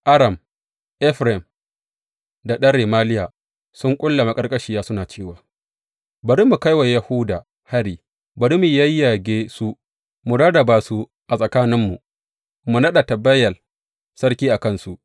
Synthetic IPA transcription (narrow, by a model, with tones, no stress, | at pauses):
ʔa˦ɾɐ˨m | ʔɛ˦ɸɾɛ˨m | da˨ɗɐ˦ɾeː˨maː˦lɪ˦ja˨ | sʊ˦ŋkʷʼʊ˦lːa˨ma˨kʼɐ˦rkʼɐ˦ʃi˦jːaː˦sʊ˦naː˨t͡ʃeː˦˨waː˨ | bɐ˨ɾi˦mu˨ka˦jwa˨jɐ˦hʊ˦daː˨ | ha˦ɾiː˨ | bɐ˨ɾi˦mi˨jaː˦jjaː˨ɡʲeː˦su˦ | mu˨ɽa˦da˨baː˦su˦ | ʔa˨sʼɐ˨kaː˦nɪ˦mːu˨ | mu˨nɐ˦ɗa˨tɐ˨bɐ˦jɐ˨l | sɐ˦ɾkʲiː˦ʔa˨kɐ˦nsu˦ʔ